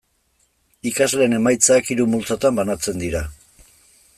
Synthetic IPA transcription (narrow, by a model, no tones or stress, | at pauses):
ikazle̞ːne̞majt͡saːkiɾumult͡sot̪ambanat͡se̞nd̪iɾa